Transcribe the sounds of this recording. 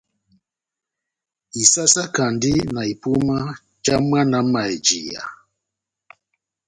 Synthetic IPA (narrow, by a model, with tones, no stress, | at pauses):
i˨sa˦sa˦ka˨ndi˦na˨i˨pu˦ma˦ | t͡ʃa˦m˦a˦na˨˦ma˨ɛ˨d͡ʒḭ˨ja̰˨